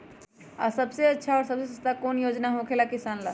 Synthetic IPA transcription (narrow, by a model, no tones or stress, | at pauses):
asəbseətːʃʰaɔɾsəbsesəst̪akonjod͡ʒnaɦõkʰelakisanla̰